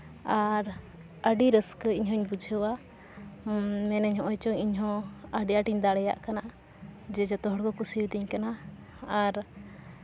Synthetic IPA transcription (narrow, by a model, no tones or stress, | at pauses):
aɾ | əɖiɾəskəiɲɦɔ̃iɲbud͡ʒʱəwa | mɛnɛɲɦɔ̃ʔɔjt͡ʃɔɲiɲɦɔ̃əɖiaʈiɲd̪aɽɛja̰ʔkana | d͡ʒɛd͡ʒɔt̪ɔɦɔɽkɔkusiwd̪iɲkanaː | ɾ